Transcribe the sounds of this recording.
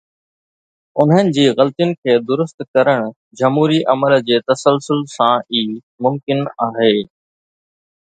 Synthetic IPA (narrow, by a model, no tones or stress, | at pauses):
ʊnɦənɪ̆d͡ʑiːɣɐlt̪ijʊnɪ̆kʰeːd̪ʊɾʊst̪kɐɾəɽ̃ʊ | d͡ʑɐmɦuːɾiʔɐməld͡ʑeːt̪ɐsəlsʊlsãiː | mʊmkɪnaːɦeː